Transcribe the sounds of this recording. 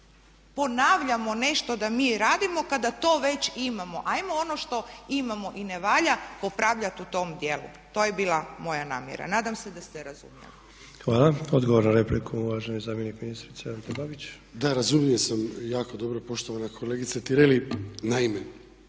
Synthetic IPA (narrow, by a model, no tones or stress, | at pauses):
po̞naːʋʎamo̞ne̞ʃt̪o̞d̪amiːɾaːd̪imo̞kad̪at̪o̞ːʋe̞t͡ɕimamo̞ʔajmoono̞ʃt̪o̞imamo̞ʔineʋaːʎapopɾaʋʎat̪ut̪o̞md̪je̞lṵ | t̪oːjebiːlˠamo̞jana̰ːmjḛɾa̰naːd̪amse̞d̪ast̪eɾazṵmjḛʋi | xʋaːlˠao̞d̪ɡoʋo̞ɾnaɾeplikʰuuʋaʒenozaːmjenikminist̪ɾit̪seaɾt̪od̪abit͡ɕ | d̪aɾazumjiesamjaːkod̪o̞bɾopo̞ʃt̪oʋanakʰo̞leɡit̪sat̪iɾelinaime